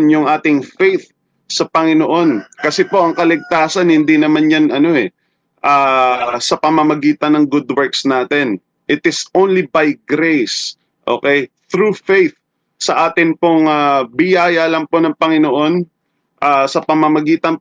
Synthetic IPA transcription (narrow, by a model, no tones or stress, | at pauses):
njʊŋʔaːt̪ɪŋfejθ | sɐpɐŋɪnoʔo̞nkɐsɛpo̞ʔɐŋkɐlɪɡ̚t̪aːsɐnhɪnd̪inɐmanjɐnʔɐno̞ɛ | ʔaːsɐpɐmɐmɐɡiːt̪ɐnɐŋɡʊd̪wɛɹksnaːt̪ɛn | ʔɪt̪ɪsʔownlibɐjɡɾejs | ʔo̞̰ːkɛjθɾufejθ | sɐʔaːt̪ɪnpoŋabɪjaːjɐlɐŋpo̞nɐŋpɐŋɪnoʔo̞n | ʔasɐpɐmɐmɐɡiːt̪ɐnp